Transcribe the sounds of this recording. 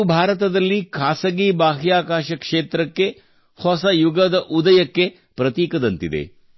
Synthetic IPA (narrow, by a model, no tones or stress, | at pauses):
bʱaːɾɐt̪ɐd̪ɐlːikʰaːsɐɡiːbaːɦijaːkaːʃɐkʂeːt̪ɾɐkːe̞ | hɔsɐjuɡɐd̪ɐʔud̪ɐjɐkːe | pɾɐt̪iːkɐd̪ɐnt̪id̪ḛ